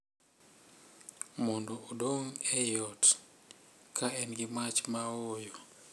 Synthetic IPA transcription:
mondoodoŋɛjɔt | kʰaɛnɡɪmat͡ʃmaojɔ

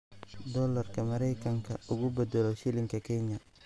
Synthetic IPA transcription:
d̪ɔlɐrkɐmɐɾɛjkɐŋkʰɐ̰ʊɡubɛd̪ɛloʃɪlɪŋkɐkɛɲa

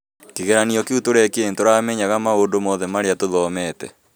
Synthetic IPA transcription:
keɣɛɾaniɔkeutoɾɛkeentoɾaːmɛɲaɣamaodomɔːðɛmaɾeatoðɔmɛtɛ̰

